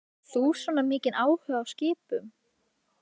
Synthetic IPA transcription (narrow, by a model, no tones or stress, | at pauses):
θusvɔːnamɪːcɪnaːwhœːɣawscɪːpʏm